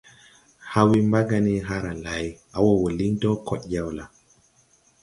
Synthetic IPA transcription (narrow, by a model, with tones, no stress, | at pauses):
ha˦wi˦mba˦ɡa˨ni˦ɦa˦ɾa˨la˨j | a˨wɔ˨wo˨li˦ntɔ˦kɔ˨ɗɟa˦˨wla˨